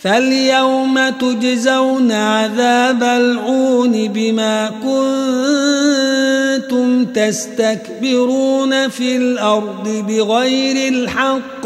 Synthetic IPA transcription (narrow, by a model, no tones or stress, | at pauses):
faljawmat̪ʊd͡ʒzawnaʕaðaːbalʕuːnɪbɪmaːkʊnn | t̪ʊmt̪ast̪akbɪɾuːnafiːlʔɑɾˤd̪ˤɨbɪɣajɾɪlħɑqː